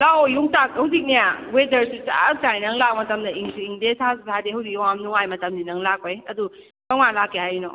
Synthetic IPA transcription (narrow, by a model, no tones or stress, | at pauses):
lawjuŋtak̚hɐwzik̚nijawedɐɾsut͡ʃa̰k̚sajnɐŋlak̚mɐtɐmdɐiŋsuiŋdesʰasusʰadeɦɐwzik̚jɔwamnuŋajmɐtɐmdinɐŋlakojɐdu | kɐŋmalakʰːehajnɔ̰